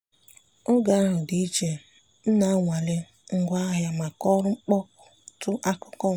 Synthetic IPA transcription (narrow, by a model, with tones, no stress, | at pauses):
o˦ɡa˨˦ɦʊ˨di˨i˦t͡ʃe˨ | n̩˦na˦a˦ŋʷa˨le˦ | ŋ̩˨ɡʷa˦a˦ɦja˦ma˨kɔ˦ɾʊ˦ŋ͡m̩˦k͡pɔ˦kʊ̥˨tʊ˦ʔa˦kʊ˦kɔ˦˨